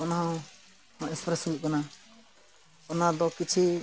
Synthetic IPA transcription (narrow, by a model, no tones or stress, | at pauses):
ɔnaɦãw | ɔ̃ɛ̃spɾɛsuɡuʔ̚kana | ɔnad̪ɔkit͡ʃʰi